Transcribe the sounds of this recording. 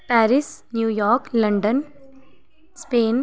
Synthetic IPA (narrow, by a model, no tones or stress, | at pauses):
pæːɾɪsnjuːjɔːɾklɐɳɖən | speːn